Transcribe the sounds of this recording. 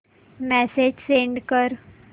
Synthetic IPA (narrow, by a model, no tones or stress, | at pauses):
mɛːseːd͡ʒsẽːɳɖkəɾ